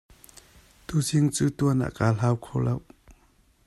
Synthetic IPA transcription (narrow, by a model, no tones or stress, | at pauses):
t̪usiŋt͡suːt̪uəna̰ːʔkaːlaːwkʰolɐw